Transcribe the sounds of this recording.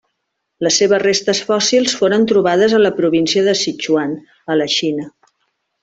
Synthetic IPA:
ləsːeβəzrest̪əsfɔsilˠsfoɾənt̪ɾuβ̞aðəzələpɾuβinsiəðəsit͡ʃuan | ələʃinə

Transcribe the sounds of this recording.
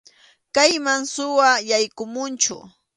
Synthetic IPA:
kajmaŋsʊwajajkʊmʊnt͡ʃʊ̰

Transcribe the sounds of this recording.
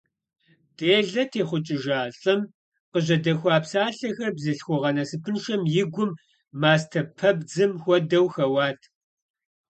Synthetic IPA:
tʼeːɮɐtʰeːχʷʊt͡ʃʼɪʒaːɬʼɐm | qəʑɐdɐxʷaːpsaːɬɐxɐrbzɨɬxʷɔʁɐnɐsɨpʰɨnʃɐmjɪɡʷʊmː | aːs̬tʰɐpʰɐb̚d͡zɨmxʷɔdɐwxɐwɑːtʰ

